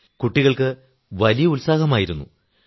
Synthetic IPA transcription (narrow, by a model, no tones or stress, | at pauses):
kuʈːiɣɐɭkɨ | ʋɐlijɐulsaːɦɐmaːjiɾunːṵ